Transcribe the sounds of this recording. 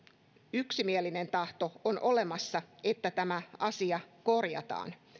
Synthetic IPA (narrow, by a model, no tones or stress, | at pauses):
yksimieline̞nt̪ɑht̪o̞onʔo̞le̞mɑsːɑe̞t̪ːæt̪æmæɑsiɑko̞rjɑ̰t̪ɑ̰ːn